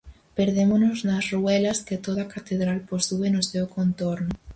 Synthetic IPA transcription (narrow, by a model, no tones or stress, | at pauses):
peɾð̞emonoznasruɛlɐsket̪oð̞akat̪eðɾalpost̪uenosewkont̪oɾnʊ